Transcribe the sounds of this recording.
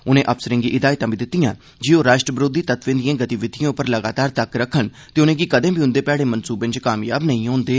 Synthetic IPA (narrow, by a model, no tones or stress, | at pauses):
ʊnẽːʔəpsəɾɪ̃ŋɡiːʔɪd̪aːit̪ãːbiːd̪ɪt̪ːɪjãː | d͡ʒioːɾaːʃʈɾəbɾoːd̪iːt̪ət̪ʋẽːd̪ɪjãːɡət̪iʋɪd̪ʱijãːʊpəɾləɡaːt̪aːɾt̪əkɾəkʰːəɳ | t̪eːʊnẽːɡikəd̪ẽːbiːʊ̃nd̪eːpɛːɽeːmənsuːbɪ̃nt͡ʃkaːmjaːbnəĩːɦõːnd̪eː